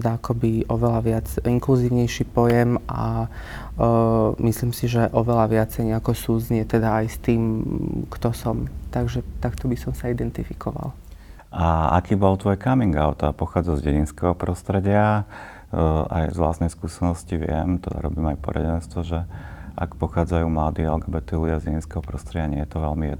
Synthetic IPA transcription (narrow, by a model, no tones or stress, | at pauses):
d̪aakɔbiʔɔʋɛlaʋɪad͡ziŋkluziːʊɲɛjʃipɔjɛmʔa | misliːmsiʒɛʔɔʋɛlaʋɪat͡sɛjɲɛakɔsuːd͡zɲɛt̪ɛd̪aːjst̪iːmkt̪ɔsɔmt̪aɡʒɛt̪akt̪ɔbisɔmsaid̪ɛnt̪ifikʰɔʋa̰l | ʔaakiːbɔlt̪ʋɔjkamiŋɡaʊt̪apɔxaːd͡zazɟɛɟinskɛɦɔpɾɔst̪ɾɛɟɪa | a̰jzʋla̰ːst̪nɛjskuːsɛnɔsciʋɪɛ̰mt̪ɛd̪a̰ɾɔbiːmajpɔ̰ɾɛ̰ɟɛnst̪ʋɔʒɛʔa̰kpɔxaːd͡zajuːmlad̪iːa̰lɡabɛt̪iludɪazɟɛɟinskɛɦɔpɾɔst̪ɾɛɟɪaɲɪɛjɛt̪ɔʋɛlmijɛ̰d̪